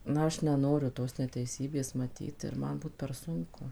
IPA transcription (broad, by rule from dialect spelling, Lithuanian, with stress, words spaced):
ˈnɐ ˈɐʃ nʲɛˈnoːrʲʊ ˈtoːs nʲɛtʲɛɪˈsʲiːbʲeːs mɐˈtʲiːt ɪr ˈmɐn ˈbuːt pʲɛr ˈsʊŋkʊ